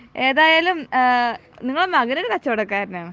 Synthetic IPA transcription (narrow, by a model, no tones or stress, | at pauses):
e̞ːðaːjaːlum | niŋːɐɭmɐɣɐnɐɾekɐt͡ɕːɐʋoɽɐkːaːɾɐnaːɳɨ